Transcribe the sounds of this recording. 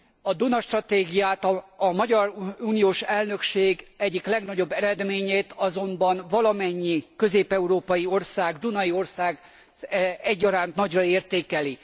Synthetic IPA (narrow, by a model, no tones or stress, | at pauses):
ɒd̪unɒʃt̪rɒt̪eːɡijaːt̪ːmɒɟɒruːnijoːʃɛlnø̞kʃeːɡɛɟːiklɛɡnɒɟo̞bːɛɾɛd̪meːɲeːt̪ɒzo̞mbɒnvɒlɒmɛɲːikø̞zeːpɛuɾoːpɒjio̞rsaːɡd̪unɒjio̞rsaːɡ | ɛɟːɒɾaːnt̪nɒɟrɒeːrt̪eːkɛli